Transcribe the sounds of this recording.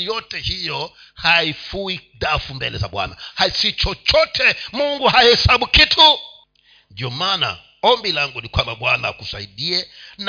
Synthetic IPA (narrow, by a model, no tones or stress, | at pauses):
jɔtɛhijɔ | haifuiɗafumbɛlɛza̰ɓwa̰na̰hasit͡ʃɔt͡ʃɔtʰɛmuŋɡuhahɛsaɓukitʰu | ndiɔmana̰ | ɔmbilaŋɡunikwambaɓwanaakusaiɗiɛn